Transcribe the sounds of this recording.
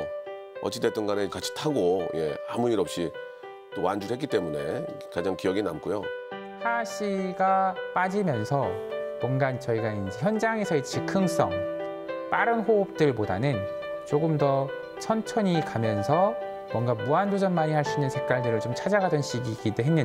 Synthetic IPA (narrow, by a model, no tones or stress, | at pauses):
ʌ̰t͡ɕ͈ʰːitet͈ɯnɡanɯkat͡ɕʰi̥tʰaɡoje̞̰amuiɾʌp̚ɕ͈i | t͈owand͡ʑuɾhetk͈it͈e̞mune̞̰kad͡ʑaŋkijʌɡinamkʰujo | haɕʰiɡap͈ad͡ʑimjʌnsʰʌmwʌnɡant͡ɕʌiɡaind͡ʑe̞çjʌnd͡ʑaŋe̞sʰʌet͡ɕikʰɯŋs͈ʌ̰ŋ | p͈aɾɯnɸoːp̚t͈ɯɭpoda̰nɯn | t͡ɕoɡɯmdʌ | t͡ɕʰʌnt͡ɕʰʌɲikamjʌnsʰʌ | mwʌŋɡamuandod͡ʑʌnmaɲihaɭs͈uinːɯnsʰek̚k͈aɭdɯɾɯɭt͡ɕomt͡ɕʰad͡ʑaɡadʌnɕ͈iɡiɡidoɦenːɯn